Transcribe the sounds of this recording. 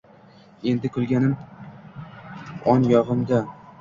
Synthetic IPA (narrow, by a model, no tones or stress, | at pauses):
e̞nd̪ɪkʰʊlˠɡʲanɪm | ɒnjɒʁɨmd̪a